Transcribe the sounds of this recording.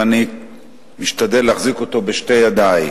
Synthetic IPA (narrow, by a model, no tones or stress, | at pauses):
ani | miʃt̪ad̪eleaχzikot̪o̞beʃte̞jad̪ai